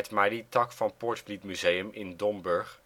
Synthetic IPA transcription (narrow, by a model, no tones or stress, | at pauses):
ɛtmaditɑkfɑnpɔɹtflitmyzejəmɪndɔmbɵɹχ